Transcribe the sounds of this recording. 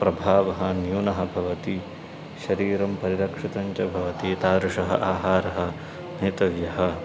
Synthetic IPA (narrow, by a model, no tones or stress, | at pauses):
pɾɐbʱaːʋɐɦɐ̆njuːnɐɦɐ̆bʱɐʋɐt̪i | ʃɐɾiːɾɐmpɐɾiɾɐkʂit̪ɐɲt͡ʃɐbʱɐʋɐt̪it̪aːɾuʂɐɦɐ̰ʔaːɦaːɾɐɦɐ | neːt̪ɐʋjɐɦɐ̆